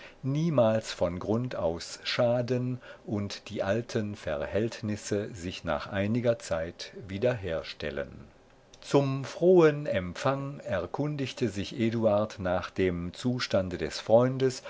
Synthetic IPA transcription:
niːmaːlsfɔnɡʁʊnta̰ʊsʃaːdənʔʊntd̥iːʔaltʰənfɛɐhɛltnɪsəzɪçna̰ːχʔaɪnɪɡɐt͡saɪtviːdɐɦeːɐʃtɛ̰lə̰n | t͡sʊmfʁ̥oːənʔɛmpfaŋɛɐkʰʊndɪçtʰəzɪçʔeːduaɐtnaːχd̥eːmt͡suːʃtandədɛsfʁ̥ɔʏndəs

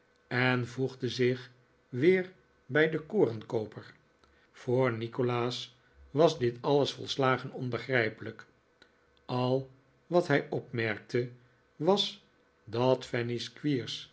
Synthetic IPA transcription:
ɛnvuχdəzɪχ | ʋɪːɹ | bɛjdəkoːrənkowpəɹ | fʊːɹnikolaːs | ʋɑzdɪtɑləsfɔ̰lˠslaːχənɔnbəχrɛjpələk | ɑlˠ | ʋɑtɦɛjʔɔpmɛɹk̚tʰə | ʋɑs | dɑtfɛniskʋiːɹs

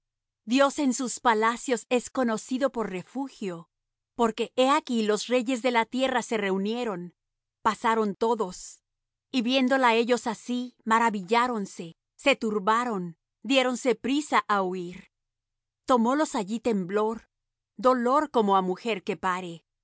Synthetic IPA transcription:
d̪jo̞se̞nsuspalasjo̞se̞sko̞no̞siðo̞po̞ɾre̞fuxjo̞ | po̞ɾke̞ʔeakilo̞sre̞ʝe̞zðe̞lat̪je̞rase̞re̞unje̞ɾo̞n | pasaɾo̞nt̪o̞ðo̞s | iβje̞nd̪o̞lae̞ʝo̞sasimaɾaβiʝaɾo̞nse̞ | se̞t̪uɾβaɾo̞n | d̪je̞ɾo̞nse̞pɾisaʔauiɾ | t̪o̞mo̞lo̞saʝit̪e̞mblo̞ɾ | d̪o̞lo̞ɾko̞moamuxe̞ɾke̞paɾe̞

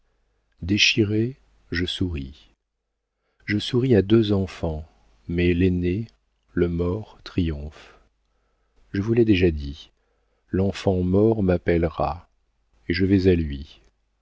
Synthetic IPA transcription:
d̪eʃiʁe | ʒəsuʁi | ʒəsuʁiad̪øzɑ̃fɑ̃ | mɛlene | ləmɔʁt̪χijɔ̃f | ʒəvulɛd̪eʒad̪i | lɑ̃fɑ̃mɔʁmapɛlʁa̰ | eʒəvɛzalɥi

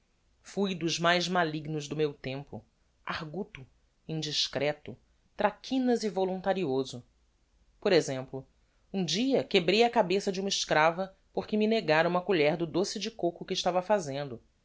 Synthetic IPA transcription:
fujd̪ʊzmajzmaliɡnʊzd̪ʊmewt̪ẽmpʊ̰ | a̰hɡut̪ʊ | ĩd͡ʒiʃkɾɛt̪ʊ | t̪ɾakʰĩnɐzivolũnt̪aɾiozʊ | poɾezẽmplʊ | ũd͡ʒiɐkebɾejɐkabesɐd͡ʒɪũmɐɪʃkɾavɐ | poɾkɪmineɡaɾɐũmɐkuʎɛɾd̪ʊd̪osɪd͡ʒɪkokʊkɪːʃt̪avɐfazẽnd̪ʊ

